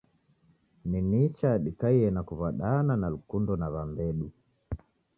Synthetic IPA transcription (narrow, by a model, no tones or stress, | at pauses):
ninit͡ʃaɗikaiɛnakuvaɗananalukundɔnaβambɛɗu